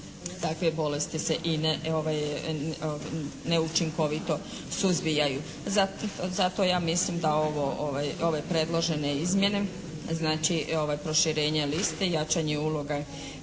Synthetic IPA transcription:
t̪akʋebo̞le̞st̪iseʔinoʋaj | neut͡ʃiŋko̞ʋit̪o̞ | suzbijaju | azat̪o̞jaːmislimd̪ao̞ʋooʋajo̞ʋe̞pɾe̞d̪lˠo̞ʒe̞ne̞izmje̞ne̞ | znaːt͡ʃio̞ʋajpɾo̞ʃiɾe̞ːɲelist̪e̞jat͡ʃaɲeulo̞ɡa

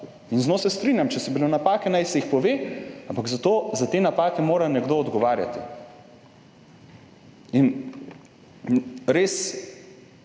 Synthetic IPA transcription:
inznoːsɛst̪ɾiːnʲjamt͡ʃɛsɛbilonapaːkɛnajsɛixpɔʋeːampaɡzat̪oːzat̪eːnapaːkɛmoːɾanɛɡd̪oːd̪ɡɔʋaːɾja̰t̪ḭ | in | ɾeːs

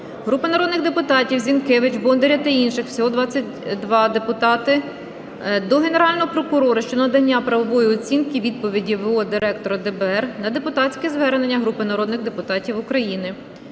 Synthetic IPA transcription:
ɦɾupɐnɐɾɔd̪nɪɣd̪epʊt̪ɑtʲiwzʲinkɛʋɪt͡ʃbɔnd̪eɾʲɐt̪ɐinʃɪxw̥sʲɔɦɔd̪ʋɑt͡sʲːɐtʲ | d̪ʋɑd̪e̞pʊt̪ɑt̪ɪ | d̪ɔɦene̞ɾɑlʲnɔɦɔpɾɔkʊɾɔɾɐʃt͡ʃɔnɐd̪ɐnʲːapɾɐʋɔʋɔjiɔt͡sʲinkɪʋʲid̪̚pɔʋʲidʲiʋɔd̪ɪɾɛk̚t̪ɔɾɐd̪ɛbɛɛrnɐd̪e̞pʊt̪ɑt͡sʲkɛzʋɛɾne̞nʲːɐɦɾupɪnɐɾɔd̪nɪɣd̪e̞pʊt̪ɑtʲiwʊkɾɐjinɪ

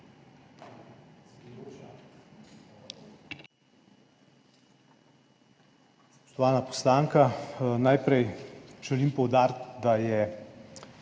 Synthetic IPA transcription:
ɔ̥t̪ɔʋaːnapɔ̥slaːŋkanajpɾɛjʒɛlimpɔwd̪aːɾt̪d̪ajɛ

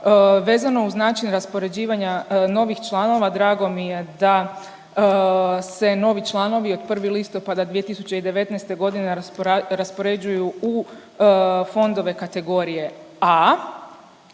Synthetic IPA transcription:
ʋe̞ːzano̞uznaːt͡ʃinɾaspoɾe̞d͡ʑiːʋaɲano̞ʋixt͡ʃlˠaːno̞ʋad̪ɾaːɡo̞mije̞d̪a | se̞no̞ʋit͡ʃlˠaːno̞ʋio̞d̪pr̩ʋilist̪o̞pad̪ad̪ʋije̞t̪isu̥t͡ɕeid̪e̞ʋe̞t̪nɛjst̪e̞ɡo̞d̪ineɾaspo̞ɾe̞d͡ʑujuu | fo̞nd̪o̞ʋe̞kat̪e̞ɡo̞ɾije̞ | aː

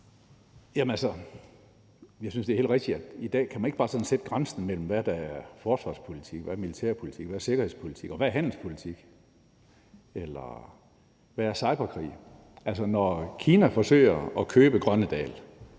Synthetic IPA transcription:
jæmənælsɐ | jɑ̈ɪsynsd̥e̝æhe̝̰l̥ʁeɡ̥d̥iæd̥id̥ɛ̰ːkʰæmæne̝ɡ̥ɑ̈ːsɒ̽d̥n̩sed̥əɡ̥ʁansn̩mel̰m̩ʋæd̥ææɐɐfɒːsʋɑ̰̈spʰo̝lit͡sʰiɡ̥ʋæɐmilit͡sʰḛɐpʰo̝lit͡sʰiɡ̥ʋæɐse̝ɡ̥ɐhe̝̰spʰo̝li̥t͡sʰiɡ̥ɒ̽ʋææɐɦæn̰l̩spʰo̝lit͡sʰiɡ̥ | elɐ | ʋææɐsɑ̈ɪb̥ɐkʰʁḭː | ʔælsɐnɒkʰiːnæfɒ̽sø̰ɪ̰ɐɒkʰøːb̥əɡ̥ʁɶnəd̥ɛ̰ːl

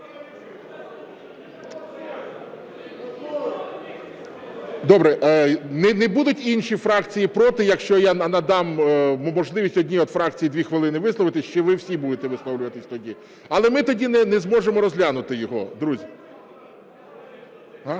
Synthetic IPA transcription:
d̪ɔbɾɛʔnɛnɛbud̪ʊtʲinʃʲifɾɑkt͡sʲijipɾɔt̪ɪjɐkʃt͡ʃɔjanɐnɐd̪ɑmmɔʒlˠɪʋʲisʲtʲɔdʲnʲiɔd̪fɾɑkt͡sʲijid̪ʋʲixʋelˠɪnɪʋɪslˠɔʋɪt̪ɪsʲt͡ʃɛʋɪwsʲibud̪et̪ɛʋɪslˠɔwlʲʊʋɐt̪ɪsʲt̪ɔdʲi | ɐlˠɛmɪt̪ɔdʲinɛnɛzmɔʒemɔɾɔzʲlʲanʊt̪ɪjɔɦɔ̰d̪ɾuzʲi | ɦa

